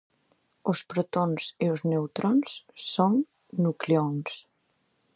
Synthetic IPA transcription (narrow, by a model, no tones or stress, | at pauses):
ospɾat̪onzioznewt̪ɾonsːonː | ukleons